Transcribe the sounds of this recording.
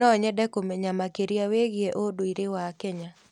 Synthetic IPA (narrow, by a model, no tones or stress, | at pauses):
ɔɲɛdɛkomeɲamakeɾiaweɣjeʔodoiɾɪwakɛɲa